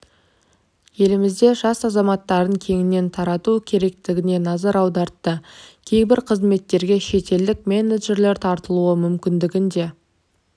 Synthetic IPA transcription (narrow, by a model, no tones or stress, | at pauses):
je̞lɪmɪzd̪e̞ʒɑsɑzɑmɑt̪ːɑɾəŋkʲʰe̞ŋɪnːe̞nt̪ʰɑɾɑt̪ukʲʰe̞ɾe̞k̚t̪ɪɡʲɪne̞nɑzɑɾɑwd̪ɑɾt̪ːəkʲʰe̞jbɪɾqʰəzme̞t̪ːe̞ɾɡʲe̞ʃe̞t̪e̞ld̪ɪk̚me̞ned̪ʒe̞ɾle̞ɾt̪ʰɑɾt̪əlˠuəmʏmkʲɪnd̪ɪɡʲɪnd̪e̞